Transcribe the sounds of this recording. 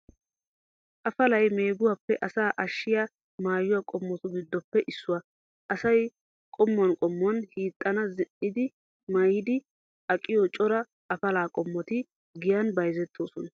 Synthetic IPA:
ʔɐfɐlɐjme̞ːɡʊwɐpːɛʔɐsaːʔɐʃːɪja | maːjʊwakʼɔmːɔt̪ʊbɪd̪ːɔpːɛʔɪsːʊwɐ | ʔɐsɐj | kʼɔmːʊwɐnkʼɔmːʊɐnhiːt̪ʼːɐnɐzɪʔɪd̪ɪ | mɐjɪd̪ɪ | ɐkʼːɪjɔt͡ʃʼɔɾɐ | ʔɐfɐlaːkʼɔmːɔt̪ɪ | ɡɪjɐnbɐjzɛt̪ʰːo̞ːsɔnɐ

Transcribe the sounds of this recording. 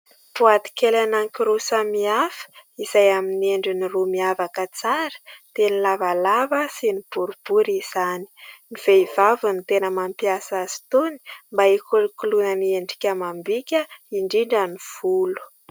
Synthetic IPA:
puat̪i̥kelanaŋkiɾusamiafə̥izajamineɳɖ͡ʐinirumiavakət͡saɾə̥t̪enilavalavəsinib̥uɾib̥uɾiz̥ani̥niv̥eiv̥avunit̪enəmampiasaz̥i̥t̪oni̥mbaikulikulunənieɳɖ͡ʐi̥kʲəmambikʲəiɳɖ͡ʐiɳɖ͡ʐaniv̥ulu̥

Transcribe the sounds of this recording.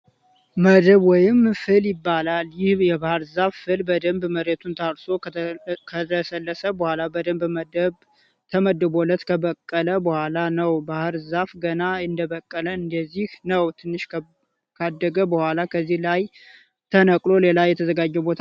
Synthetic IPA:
məd̪əβwɔjɪmfɨljɪbːalaljɪhjɛbahɨɾzaffɨlbəd̪əmbməɾet̪ʰunt̪ʰaɾso̞kʰət̪ʰəsəlːəsəbəhʷalabəd̪əmbmd̪ə | t̪ʰəməd̪əbo̞lət̪kʰəβəkʼːələbəhʷalanəwbahɨɾzafɡənaɨnd̪əβəkʼːələɨnd̪əzːihnəwt̪ʰɨnːɨʃ | kʰad̪ːəɡəbəhʷwʷalakʰəzːihlaj | t̪ʰənəkʼlo̞le̞lajɛt̪ʰəzəɡad͡ʒːɛbo̞t̪ʰa

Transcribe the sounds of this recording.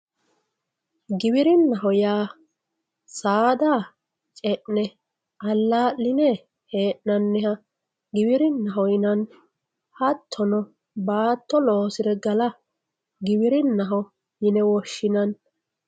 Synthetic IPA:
ɡɪbɪɾɪnːɐɦɔjaː | saːd̪aː | t͡ʃʼɛʔnɛ | ɐlːaːʔːɪnɛ | heːʔnɐnːɛhɐ | ɡɪbɪɾɪnːɐɦɔjɪnɐn | hɐt̪ʰːɔnɔ | baːt̪ʰːɔloːsɪd̪ɛɡɐlɐ | ɡɪbɪɾɪnːɐɦɔ | jɪnɛwɔʃːɪnɐn

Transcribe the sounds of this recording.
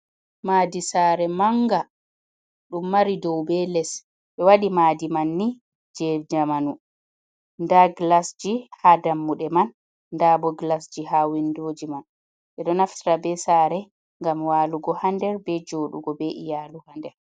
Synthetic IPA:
maːdisaːɾɛmaŋɡa | ɗumːaɾidɔwbɛlɛs | ɓɛwaɗimaːdimanːi | d͡ʒɛd͡ʒamanu | ndaɡlasd͡ʒihadamːuɗɛmanː | dabɔɡlasd͡ʒiɦawindoːd͡ʒiman | ɓɛɗɔnaftɾabɛsaɾɛ | ŋɡamwaːluɡɔhandɛɾbɛd͡ʒoːɗuɡɔbɛʔijaluhandɛɾ

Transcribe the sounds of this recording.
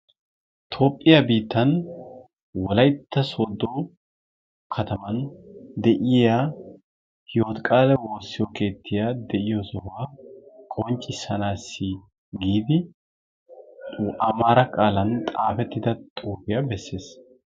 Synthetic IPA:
t̪ʰo̞ːpʼːɪjɐbiːt̪ːɐn | wɔlɐjt̪ʰːɐsoːd̪oː | kʰɐt̪ɐmɐnd̪ɛʔɪja | hjo̞ːt̪kʼaːlɛwo̞ːsːɪjɔke̞ːt̪ʰːɪjaːd̪ɛʔɪjosɔwaːkʼɔnt͡ʃʼːɪsːɐnaːsːɪ | ɡiːd̪ɪ | ʔɐmaːɾɐkʼaːlɐnt̪ʼaːfɛt̪ːɪd̪ɐt̪ʼuːbɪjabɛsːe̞ːs

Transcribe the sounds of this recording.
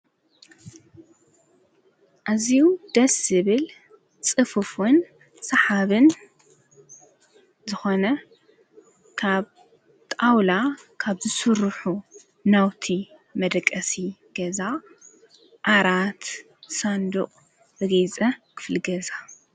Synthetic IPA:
ʔaziwd̪̥ɐsɨβɨl | t͡sʼɨfɨfun | sɐħaβɨn | zɨxo̞nɐ | kʰaβ | t̪ʼawlakʰaβzɨsɨɾħu | nawt̪ʰi | mɐd̪ɐkʼːɐsiɡ̥ɐza | ʔaɾat̪ | sand̪ṵqʼ | bɨɡet͡sʼɐkʰɨ̥flɨɡɐza

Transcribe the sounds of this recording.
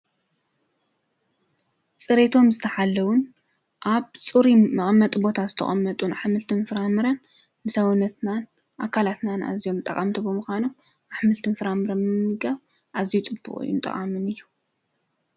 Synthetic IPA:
sʼɨɾet̪ʰo̞mzɨt̪ʰɐħalːɐwʊn | ʔaβt͡sʼɨɾimɐχʼɐmːɐt̪ʼubo̞t̪ʰazɨt̪ʰɐ̰χʼɐ̰mːɐt̪ʼunħamɨlt̪ʰɨnfɨɾamɨɾɐn | mɨsɐwnɐt̪nan | ʔakʰalat̪nana̰zijo̞mt̪ʼɐ̰kʼamt̪ʰibɨmuxʷanom | ʔaħmɨlt̪ʰɨnfɨɾamɨɾɐnmɨmːɨɡaβ | ʔazijut͡sʼɨbːṵχʼṵjɪ̰nt̪ʼɐ̰χʼamɨnɨjːu̥

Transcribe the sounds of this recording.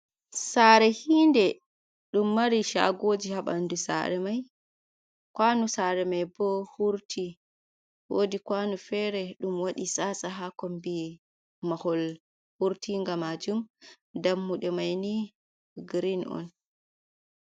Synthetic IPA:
saːɾɛhiːndɛ | ɗumːaɾiʃa̰ɡod͡ʒihaɓa̰ndusa̰ɾɛmaj | kwanusaɾɛmajbɔhuɾtʰi | wodikwanufɛɾɛɗumwaɗisasaɦakɔmbi | mahɔl | huɾtiŋɡamad͡ʒum | damːuɗɛmajni | ɡɾinɔ̰n

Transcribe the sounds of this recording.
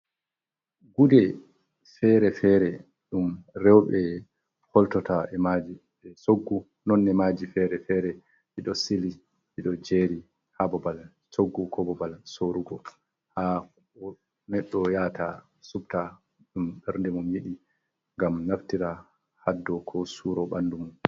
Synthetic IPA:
ɡudɛ | fɛɾɛfɛːɾɛ | ɗumɾɛwɓɛ | hɔltɔtaɛmad͡ʒi | ɛsoɡːu | nɔnːɛmad͡ʒifɛɾɛfɛːɾɛ | ʔiɗɔsili | ʔiɗɔd͡ʒeːɾi | habɔbal | soɡːukʰɔbɔbalsoɾuɡɔ | ha | ɔ | nɛɗːɔjata | subta | ɗumɓɛɾndɛmumjiɗi | ŋɡamnaftiɾa | hadːɔkʰɔsuɾɔɓanːdumun

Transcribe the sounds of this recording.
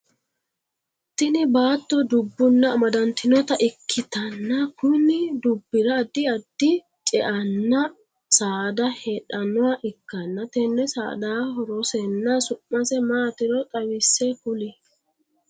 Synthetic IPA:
t̪ɪnɪbaːt̪ːɔd̪ʊbːʊnːɐmɐd̪ɐnt̪ɪnɔt̪ɐʔɪkʰːɪt̪ɐnːɐkʊnɪd̪ʊbːɪɾɐːd̪ːɪɐd̪ːɪ | t͡ʃʼɛʔɐnːɐ | saːd̪ɐheːᶑɐnɔwɐʔɪkːɐnːɐt̪ɛnːɛsa̰ːd̪aːɦɔɾɔsɛnːɐsʊmːɐsɛmaːt̪ɪɾɔt̪ʼɐwɪsːɛkʊlɪ

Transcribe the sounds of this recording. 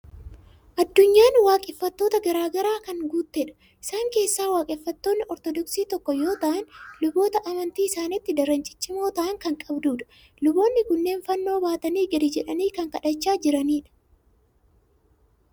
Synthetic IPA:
ʔɐd̪ːʊɲːaːnwaːkʼɛfːɐt̪ːo̞ːt̪ɐɡɐɾaːɡɐɾaːkɐŋɡuːt̪ːɛᶑɐ̥ | ʔɪsaːŋke̞ːsːaːwaːkʼɛfːɐt̪ːo̞ːnːɪʔɔɾt̪ɔd̪ɔksiːt̪ɔkːɔjo̞ːt̪ɐʔɐnlʊbo̞ːt̪ɐʔɐmɐnt̪iːɪsaːnɪt̪ːɪd̪ɐɾɐnt͡ʃʼɪ̥t͡ʃːɪmo̞ːt̪ɐʔɐŋkɐŋkʼɐbd̪uːᶑɐ̥ | lʊbo̞ːnːɪkʊnːe̞ːnfɐnːo̞ːbaːt̪ɐniːɡɐd̪ɪd͡ʒɛᶑɐniːkɐŋkɐᶑɐt͡ʃːaːd͡ʒɪɾɐniːᶑɐ̥

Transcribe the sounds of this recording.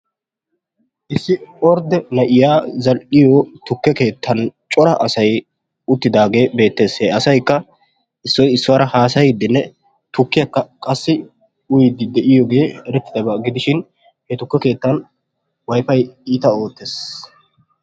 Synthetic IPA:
ʔɪsːɪɔɾd̪ɛnɐʔɪjaːzɐlʔɪjɔt̪ʊkːɛke̞ːt̪ʰːɐnt͡ʃʼɔɾɐʔɐsɐj | ʊt̪ːɪd̪aːɡe̞ːbe̞ːt̪ːe̞ːseːɐsɐjkːɐ | ʔɪsːɔjɪsːɔwɐɾɐhaːsɐjɪd̪ːɪnːɛ | t̪ʊkːɪjɐkːɐkʼɐsːɪ | ʊjɪd̪ɪd̪ɛʔɪjɔːɡe̞ːɛɾɛt̪ːɪd̪ɐbɐɡɪd̪ɪʃɪn | hɛt̪ʊkːɛke̞ːt̪ːɐn | wɐjfɐjiːt̪ɐo̞ːt̪ːeːs

